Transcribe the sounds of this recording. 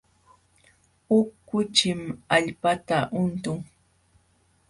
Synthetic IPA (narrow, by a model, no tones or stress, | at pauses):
ʊkʊt͡ʃɪmaʎpat̪aʔʊnt̪ʊŋ